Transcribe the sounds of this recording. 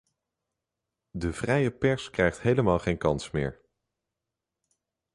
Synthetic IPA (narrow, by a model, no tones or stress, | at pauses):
dəv̥rɛjəpɛɹskrɛjχtɦejləmaːlˠχejnkɑnsmɪ̰ːɹ